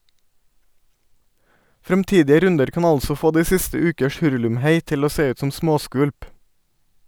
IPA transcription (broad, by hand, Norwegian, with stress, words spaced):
fɾɛmˈtiːdɪə ˈɾʉndəɾ ˈkɑːn ˈɑlsɔ ˈfoː ˈdiː ˈsɪstə ˈʉːkəʃ ˈhʉɹʉlʉmˌheɪ ˈtɪl ˈoː ˈseː ˈʉːt ˈsɔm ˈsmoːˌskʋʉlp